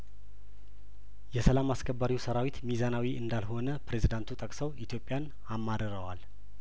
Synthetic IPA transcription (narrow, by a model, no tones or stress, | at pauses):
jɛsəlamaskʰəbːaɾiwsəɾawit̪mizanawiʔɨnd̪alho̞nəpɾe̞zid̪ant̪ʰut̪ʼəkʼsəwʔit̪ʰjo̞pʼjan | amːad̪əɾəwal